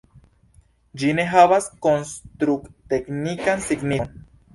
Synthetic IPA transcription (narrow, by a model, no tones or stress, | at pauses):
d͡ʒineɦaβaskonst̪ɾukt̪eknikansiɡnin